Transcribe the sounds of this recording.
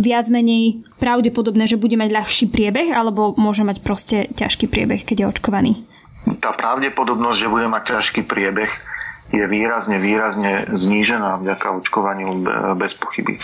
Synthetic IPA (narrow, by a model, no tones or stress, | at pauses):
ʋɪad͡zmɛɲɛjpɾaʊɟɛpɔd̪ɔbnɛːʒɛbuɟɛmaɟʎaxʃiːpɾɪɛbɛɣalɛbɔmʊɔʒɛmacpɾɔscɛca̰ʃkiːpɾɪɛ̰bɛxkɛɟjɛɔt͡ʃkɔʋaniː | t̪aːpɾaʊɟɛpɔd̪ɔbnɔzɟʒɛbuɟɛmac̚cːaʃkiːpɾɪɛbɛɣ | jɛʋiːɾazɲɛʋiːɾazɲɛzɲiːʒɛnaːvɟakaɔt͡ʃkɔʋaɲubɛspɔ̥xibḭ